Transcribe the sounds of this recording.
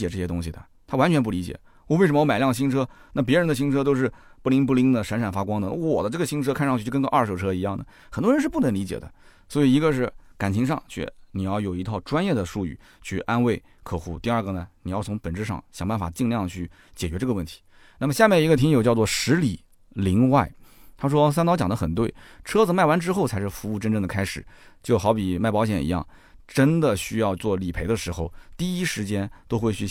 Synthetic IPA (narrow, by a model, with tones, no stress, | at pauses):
t͡ɕjɛ˨˩ʈ͡ʂɤ˥˩ɕjɛ˥t̪ʊ˥ŋɕi˨d̪ə̰˩ | t̪ʰa˥wa˥nt͡ɕʰɥɛ˧˥npu˥˩li˧˥t͡ɕjɛ̰˨˩˦ | wɔ˧˩we˥˩ʂə˧˥mə˧˥˧m˨˩˦ljɑ˥˩ŋɕi˥nʈ͡ʂʰɤ˥na˥˩p̬jɛ˧˥ɻə˧˥ndə˧ɕi˥ŋʈ͡ʂʰɤ˥t̪̬o˥˧ʊʂ̬ɻ̩˥˩pu˥˩li˥ŋp̬u˥˩li˥ŋd̪ə˨ʂa˧˥nʂa˨˩nfa˥kwɑ˥ŋd̪ə˨n˥˩wɔ̰˨˩d̪ə˦ʈ͡ʂɤ˥˩ɡə˩ɕi˥nʈ͡ʂʰɤ˥kʰa˥˧nʂɑ˥˧t͡ɕy˥˧˥kə˥˧˦ʔɐ˞˥˩ʂo˥˩ʊʈ͡ʂʰɤ˥i˧˥jɑ˥˩ŋd̪ə˩ | xə˨˩nd̪wɔ˥ɻə˧˥nʂɻ̩˥˧p̬u˥˩nə˧˥ŋli˧˥t͡ɕjɛ̰˨˩d̪ə̰˦ | swɔ˧˥i˨˩i˧˥ɡə˧ʂ̬ɻ̩˥˩ka˨˩nt͡ɕʰi˧˥ŋʂɑ̰˥˧ŋt͡ɕʰɥɛ̰˥˧ni˨˩jɑ˥˩ʊjo˨˩ʊi˧˥t̪ʰɑ˥˩ʊʈ͡ʂwa˥njɛ˥˩d̪ə˩ʂu˥˧y̰˥˩ | t͡ɕʰy̰˥˩ʔa˥nwe˥˩ɪ | kʰɤ˨˩xṵ˧˥˩t̪i˥˧ɐ˞˥˩ɡə˩nə˩ni˨˩jɑ˥˩ʊt͡sʰʊ˧˥ŋpə˨˩nʈ͡ʂɻ̩˥˧ʂɑ̰˥˩ŋɕjɑ˨˩ŋpa˥˩nfa̰˨˩t͡ɕi˥˧ŋljɑ˥˧ŋt͡ɕʰy˥˩ | t͡ɕjɛ˨˩t͡ɕɥɛ˧˥ʈ͡ʂɤ˥˩ɡə˧wə˥˩nt̪ʰi̥˧˥ | na˥˩mə˩ɕja˥˧mjɛ˥˩ni˧˥ɡə˧t̪ʰi˧˥ŋjo˨˩ʊt͡ɕjɑ˥˧t͡swɔ˥˩ʂɻ̩˧˥li˨˩˦ | li˧˥ŋwa˥˩ɪt̪ʰa˥ʂ̬wɔ˥sa˥nt̪ɑ˥t͡ɕjɑ˨˩ŋd̪ə˦xə˨˩nt̪we˥˩ɪʈ͡ʂʰɤ˥d͡zɹ̩˨ma˥˩ɪwa˧˥nʈ͡ʂɻ̩˥xo˥˩ʊt͡sʰa˧˥ɪʂɻ̩˥˩fu˧˥u˥˩˧ʈ͡ʂə˥˧nʈ͡ʂɤ˥ŋd̪ə˩kʰa˥ɪʂɻ̩˨˩˦t͡ɕjo˥˩ʊxɑ˧˥ʊpi˨˩ma˥˩ɪpɑ˧˥ʊɕ̬jɛ̰˨˩nḭ˧˥jɑ̰˥˩ŋ | ʈ͡ʂə˥nd̪ə˨ɕy˥jɑ˥˧ʊt͡swɔ˥˩li˨˩pʰe˧˥ɪd̪ə˧ʂɻ̩˧˥xo˧ʊt̪i˥˩i˥ʂɻ̩˧˥t͡ɕjɛ˥nt̪o˥ʊxwe˥˩ɪɕy˥˧